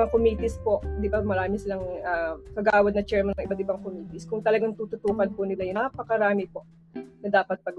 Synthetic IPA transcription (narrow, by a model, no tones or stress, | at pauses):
ɐŋkomiːt̪ɪspo̞ʔd̪ɪbamɐɾaːmɪsɪlaŋakɐɡaːwɐd̪nɐt͡ʃɛɹmɐnɐŋʔɪbat̪̚ɪbaŋkomiːt̪ɪskʊŋt̪ɐlɐɡaŋt̪uːt̪ʊt̪uːkɐnpʊnɪlajʊapɐkɐɾaːmɪpoʔ | nɐd̪aːpɐt̪̚pɐɡ